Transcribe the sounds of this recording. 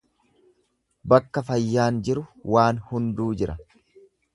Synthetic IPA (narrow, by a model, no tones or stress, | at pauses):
bɐkːɐfɐjːaːnd͡ʒɪɾʊwaːnhʊnd̪uːd͡ʒɪɾɐ